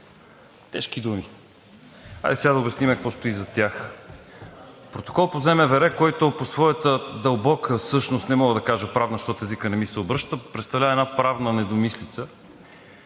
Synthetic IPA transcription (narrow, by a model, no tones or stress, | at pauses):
t̪ɛʃk̟id̪umi | a̰jd̪ɛsʲad̪əobɛsnimɛkvɔst̪oizɐt̪ʲjax | pɾot̪o̥kɔlˠpozɛmɛvɛɾɛkɔjt̪oposvɔjət̪əd̪ɐlˠbɔkʰəfsɤʃnost̪nɛmɔɡəd̪ɐkaʒəpɾavnɐʃt̪ɔt̪ɛzikənɛmisɛobɾɤʃt̪əpɾɛt̪st̪ɐvlʲavəɛnapɾavnənɛd̪omislit̪sə